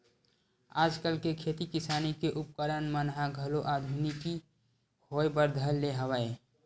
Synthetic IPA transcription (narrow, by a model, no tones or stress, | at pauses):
aːd͡ʒkəlkekʰeːt̪ikɪsaːnikeʔʊp̚kəɾənmənɦaɡʱəloʔaːd̪ʱuniki | hoːjbəɾd̪ʱəlːeɦəwəe